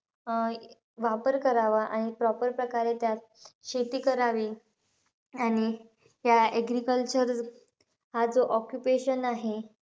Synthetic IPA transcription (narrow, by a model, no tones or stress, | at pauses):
ʋapəɾkəɾaʋaʔaɽ̃ipɾɔpəɾpɾəkaɾet̪ja | ɕet̪iːkəɾaʋiː | aɽ̃i | jaeɡɾikəlt͡ɕəɾ | had͡zoʔɔkjupeɕənaɦe